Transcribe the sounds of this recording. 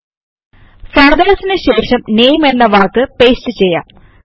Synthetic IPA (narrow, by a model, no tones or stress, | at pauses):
sɐɳɐd̪aːsinɨɕeːʂɐmneːjmelːɐʋaːrkːɨpe̞ːstɨt͡ɕe̞jːa̰ːm